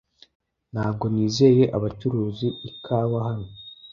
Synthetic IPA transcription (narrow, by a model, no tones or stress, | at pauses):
n̥haːb̚ɡo̞niːze̞ːje̞ʔaβat͡ʃuɾuːziːkʰaːβahano